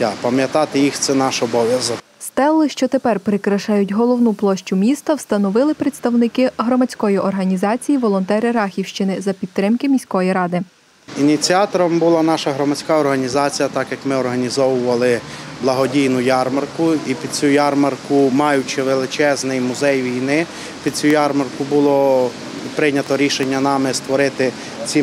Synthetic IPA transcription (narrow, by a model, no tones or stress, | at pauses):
apɐmjɐt̪ɑt̪ɪjixt̪sɛnɑʃɔbɔʋʲjɐzɔk | st̪ɛlˠːɪʃt͡ʃɔt̪epɛrpɾɪkɾɐʃɑjʊtʲɦɔlˠɔwnuplˠɔʃt͡ʃʊmʲist̪ɐwst̪ɐnɔʋɪlˠɪpɾet̪st̪ɐwnɪkɪɦɾɔmɐt͡sʲkɔjiʔɔrɦɐnʲizɑt͡sʲijiʋɔlˠɔnt̪ɛɾɪɾɑxʲiwʃt͡ʃɪnɪzɐpʲidt̪ːɾɪmkɪmʲisʲkɔjiɾɑd̪ɪ | inʲit͡sʲiɑt̪ɔɾɔmbʊlˠɑnɑʃɐɦɾɔmɐt͡sʲkɑɔrɦɐnʲizɑt͡sʲijɐt̪ɑkjɐkmɪɔrɦɐnʲizɔʋʊʋɐlˠɪ | blˠɐɦɔdʲijnʊjɑrmɐrkʊipʲid̪̚t͡sʲujɑrmɐrkʊmɑjʊt͡ʃɪʋelˠɪt͡ʃɛznɪjmʊzɛjʋʲijnɪ | pʲid̪̚t͡sʲujɑrmɐrkʊbʊlˠɔ | pɾɪnʲɐt̪ɔɾʲiʃenʲːɐnɑmɪst̪ʋɔɾɪt̪ɪ | t͡sʲi